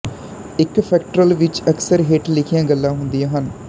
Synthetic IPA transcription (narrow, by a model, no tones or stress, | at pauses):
ɪkpʰɛːkʈɾəlʋɪt͡ʃəksəɾɦeːʈlɪkʰɪjãːɡəlːãːɦʊnd̪ijãːɦən